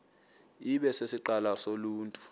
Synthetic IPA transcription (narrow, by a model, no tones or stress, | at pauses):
iɓɛsesiǃalasoluːntʼu̥